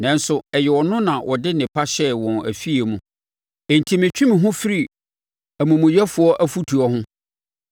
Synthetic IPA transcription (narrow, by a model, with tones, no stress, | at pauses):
nɛ̃˨n˦sʊ˨ɛ˨jɛ˨wɔ˨nʊ̃˦nã˨wʔɔ˨dɪ˦nɪ̃˨pʰa˦ɕɛ˦wɔ̃˨næ̰˨fi˦e˨mũ˨ | ẽ˨n˨tʰi˨mɪ̃˨t͡ɕᶣʰũ˦mĩ˨ɦʊ̃˦fɪ˦ɾi˨ | æ˨mũ˨mũ˨jɛ˦fʊ˨ɔ˦ʔæ˦fu˦tʰu˨ɔ˦ɦʊ̃˦